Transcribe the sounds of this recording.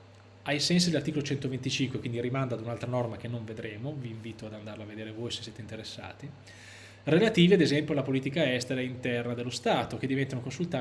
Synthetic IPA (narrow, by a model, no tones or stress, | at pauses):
ajsɛnsid̪elart̪ikolot͡ʃɛnt̪ovent̪it͡ʃiŋkwekwind̪irimand̪aːd̪unalt̪ɾanɔrmak̟enːoɱved̪ɾeːmoviːɱviːt̪oad̪and̪arlaved̪eːɾevojsesːɛːt̪eint̪eɾesːa̰ːt̪i | relat̪iːviad̪ezɛmpjoalapoliːt̪ikaɛst̪eɾaint̪ɛrnad̪elːost̪aːt̪ok̟ed̪ivɛnt̪anokonsult̪a